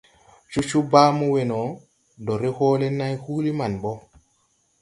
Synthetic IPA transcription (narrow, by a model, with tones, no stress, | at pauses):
t͡ʃu˦t͡ʃu˦baː˦mu˦we˨nɔ˨ | dɔ˨ɾe˦hoː˦le˦na˦jhu˦li˦ma˨nbɔ˦